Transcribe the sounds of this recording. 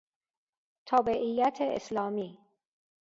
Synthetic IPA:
t̪ʰɒːbeʔijːæt̪ʰeʔḛslɒːmiː

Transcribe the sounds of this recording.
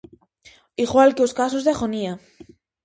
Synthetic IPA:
iɣwalkeoskas̬ozðeaɣonia

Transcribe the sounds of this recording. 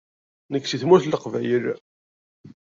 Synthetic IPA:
nəkːsiθmuθləqvæ̰jəl

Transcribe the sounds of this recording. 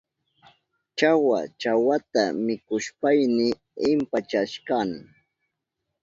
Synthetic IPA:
t͡ʃawa̰t͡ʃawat̪amɪkʊʃpajnɪ | ɪmpat͡ʃaʃkanɪ

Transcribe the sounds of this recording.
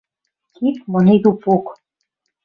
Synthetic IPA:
kʰit̪mɤned̪upok

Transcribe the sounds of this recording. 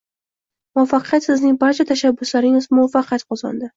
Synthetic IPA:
mʊafːɑqʰɨjat̪sɨznɪŋbaɾt͡ʃʰat̪ʰaʃabːʊslaɾɪŋɪzmʊwafːɑqʰɨjat̪qʰɒzɒ̰nd̪ɪ

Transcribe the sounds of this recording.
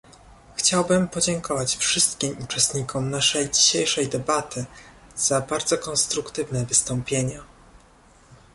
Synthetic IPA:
xt͡ɕawbɘmpɔd͡ʑɛŋkʰɔvat͡ɕfʂɘst̪̚kʲimut͡ʂɛst̪ɲikʰɔmnaʂɛjd͡ʑiɕejʂɛjd̪ɛbat̪ɘz̥abaɾd̪zɔkɔnst̪ɾukt̪ɘvnɛvɘst̪ɔmpʲjeɲa

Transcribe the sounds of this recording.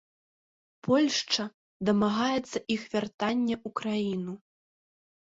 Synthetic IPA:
pʰɔlʲʂt͡ʂɐ | d̪ɐmaɣajɛt̪sːɐʔixvʲart̪anʲːɛʔukɾajinu

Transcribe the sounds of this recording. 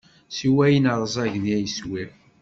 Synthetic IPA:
siwæjənəɾˤəzˤæʝənjæjəswi

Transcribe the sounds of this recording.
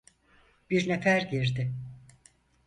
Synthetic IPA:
b̥iɾnefæɾɟiɾd̪ɪ

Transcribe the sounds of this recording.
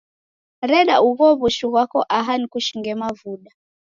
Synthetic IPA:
ɾɛɗauɣɔβuʃuɣwakɔʔaɦanikuʃiŋɡɛmavuɗa

